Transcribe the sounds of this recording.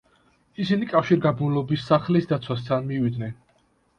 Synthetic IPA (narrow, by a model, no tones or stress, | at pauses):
isinikʼafʃiɾɡabnulɔbisːaχlisd̪at̪sʰwast̪ʰanmivid̪nɛn